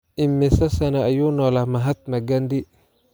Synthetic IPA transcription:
ʔɪmːɛsɐsɐnɐːjuːnɔlamɐɦɐt̪̚nɐɡɐndi

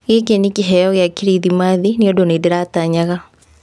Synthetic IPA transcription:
ɣekenikiɦɛjɔɣejakiɾiðimaːðineodonedeɾaːtaɲaɣa

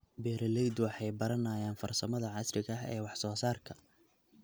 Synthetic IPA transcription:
bɛːɾɐlɛjd̪wɑħɑjbɐɾɐnaːjaːnfɐrsɐmɐðɐʕɑsrɪɣɐɦɛ̰ːwɑħsɔːsaːrkʰɐ

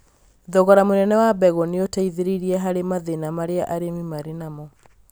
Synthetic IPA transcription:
ðɔɣɔɾamonɛnɛwabɛɣɔneotaiðeɾiɾiɛɦaɾemaðenamaɾeaʔaɾemimaɾenamɔ

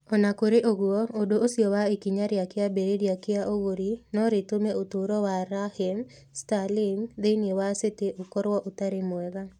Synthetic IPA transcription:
ɔnakoɾeʔoɡwɔodoosiɔwaekiɲaɾjakɪabeɾedjakɪaʔoɡoɾinɔɾɪtomeot̪oɾɔwaɾahim | stalɪmd̪enjewaseteʔokɔɾwɔʔʊt̪aɾemwɛɡa

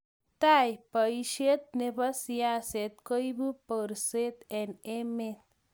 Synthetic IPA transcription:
t̪ajpəjʃet̪̚nebɐsijaset̪kojbupəɾset̪enemet̪

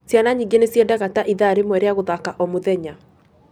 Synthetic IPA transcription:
sjanaɲiŋɡenesjɛdaɣataʔiðaɾemwɛɾeaɣoðakaʔɔmoðɛɲa

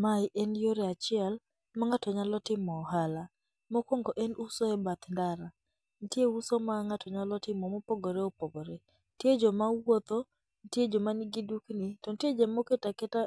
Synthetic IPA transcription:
maɪʔɛnjoɾeat͡ʃɪal | maŋatɔɲalɔtɪmɔhala | mɔkoŋɡɔʔɛnusɔɛbat̪ndaɾa | n̩tjeusomaŋatʰɔɲalɔtɪmɔmɔpoɡoɾeopoɡoɾe | nted͡ʒɔmawot̪o | ntjed͡ʒɔmaniɡiduknitɔntjed͡ʒɛmoketakɛta

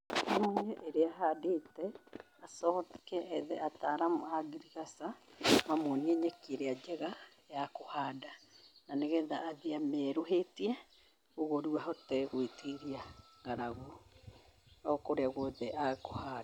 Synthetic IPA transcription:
imoɲɛʔeɾeaɦadetɛ | asɔkɛʔɛðɛataɾamohaɡiɾiɣasamamoniɛɲɛkeɾead͡ʒɛɣa | jakohaːdananeɣɛðaːðiamɛɾoɦetiɛ | oɣoɾuaɦɔtɛɣwetiɾiaŋɡaɾaɣo | ɔkoɾeaɣoðɛʔakoha

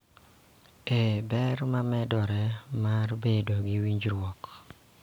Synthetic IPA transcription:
ebɛɾmamɛdɔɾɛmarbedoɡiwiɲd͡ʒɾwɔk

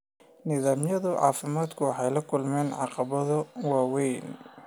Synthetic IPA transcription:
nɪðaːmjɐðʊʕɑ̰ːfɪmaːd̪kʰʊwɑħɑjlɐkʰʊlmɛːnʕɑ̰qɑβɐðɐwɑːwɛjn

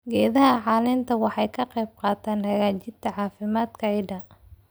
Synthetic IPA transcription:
ɡɛːðɐɦɐʕɑːlɪnt̪ʰɐwɑħɑjkʰɐqɛjb̚qɑːt̪ʰaːnhɐɣaːt͡ʃɪd̪t̪ʰɐʕɑːfɪmaːd̪kʰɐʕɪɖɐ

